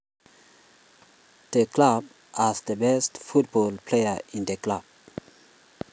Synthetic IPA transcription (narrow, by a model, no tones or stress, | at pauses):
d̪̥ekʰlab | ʔæsd̪əbɛst̪fut̪̚bɔlpʰleəĩnd̪əkʰlab̥̚